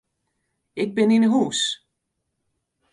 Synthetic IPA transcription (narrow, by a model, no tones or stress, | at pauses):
ɪk̚bɪninəɦuːs